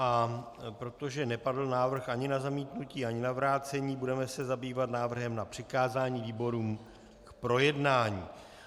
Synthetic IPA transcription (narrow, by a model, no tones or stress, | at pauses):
ʔa | pɾo̞t̪o̞ʒɛnɛpadl̩naːvr̩xʔaɲɪnazamiːt̪nuciːaɲɪnavɾaːt͡sɛɲiːbudɛmɛsɛzabiːvat̪naːvr̩ɦɛmnapr̝̥ɪkaːzaːɲiːviːbo̞ɾuːm | kpɾo̞jɛdnaːɲiː